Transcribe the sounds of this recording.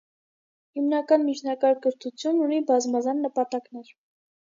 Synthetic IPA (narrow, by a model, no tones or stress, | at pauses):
himnɑkɑnmit͡ʃʰnɑkɑɾkəɾt̪ʰut͡sʰjununibɑzmɑzɑnːəpɑt̪ɑknɛɾ